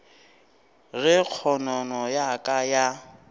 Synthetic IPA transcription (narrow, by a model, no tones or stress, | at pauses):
ɣɪk͡xʰɔnɔnɔjakʼaja